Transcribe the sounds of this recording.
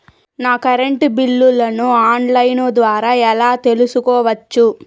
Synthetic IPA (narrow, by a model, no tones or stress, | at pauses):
naːkɐɾeɳʈbilːulɐnuaːɳlɐjnoːd̪ʋaːɾaːɛlaːt̪e̞lusukɔːʋɐt͡ʃːu